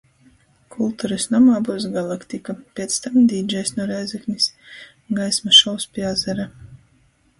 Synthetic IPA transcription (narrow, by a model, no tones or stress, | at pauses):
kʰulˠt̪uɾɨsnamaːbuːsɡalˠakt̪ikapʲɛt̪st̪amd̪ʲiːd͡ʒɛjsnuɔɾɛjzɛknʲis | ɡajsmaʃɔwspʲiazɛɾa